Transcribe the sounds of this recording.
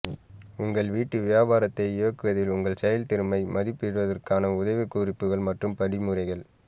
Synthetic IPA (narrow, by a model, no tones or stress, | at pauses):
ʊŋɡɐɭʋiːʈːɯʋɪjaːbaːɾɐt̪ːɐɪoːkːɯʋɐðɪlʊŋɡɐɭsɛjɐlt̪ɪɾɯmɐɪmɐðɪpːɪɽɯʋɐðɐrkaːnɐʊðɐʋɪkːuːrɪpːɯɣɐɭmɐʈrɯmpɐɽɪmɯɾɐɪɣɐɭ